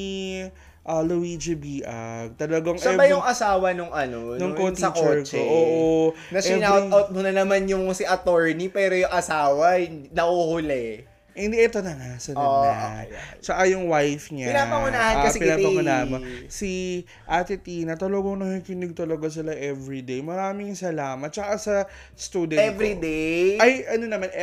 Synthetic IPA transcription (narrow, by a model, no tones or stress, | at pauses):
i | ʔɐlowid͡ʒɪbiːʔɐɡ̚t̪ɐlɐɡaŋsɐɛbɐjʊŋʔɐsaːwɐnʊŋʔɐnonʊŋkot̪sɐkoɛɹt͡ʃkoʔoːʔo | nɐsɛnat̪ɐwt̪̚mʊnɐnɐmanjʊŋsiʔɐt̪oɹnipɛːɾojʊŋʔɐsaːwɐɪnnɐhohʊlɛ | hɪnd̪iʔɛt̪o̞nɐŋasɐno̰at͡ʃɐkajʊŋwajfɲapɪnapɐŋʊnaːhɐnkɐsɛpɪnapɐʊnaːʔmosi | ʔat̪ɪt̪inɐt̪ɐloɡoŋnɐŋhɪkɪnɪɡ̚t̪ɐlɐɡas̬ɪlaʔɛvɹid̪ejmɐɾaːmɪŋsɐlaːmɐt̪̚t͡ʃɐkasɐ | st̪uːd̪ɛnɛvɾid̪ejʔɐjʔɐno̞nɐman